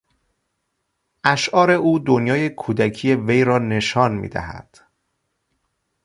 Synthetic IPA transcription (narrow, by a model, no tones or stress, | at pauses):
ʔæʃʔɒːɾe̞ʔuːd̪onjɒːje̞kʰuːd̪æcʰiːje̞ve̞jɾɒːne̞ʃɒːnmḭːd̪æ̰hæ̰d̪̥